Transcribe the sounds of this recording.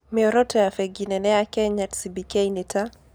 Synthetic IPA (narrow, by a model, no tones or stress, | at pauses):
mɪɔɾɔtɛafɛɡinɛnɛakɛɲatsibikɛjnita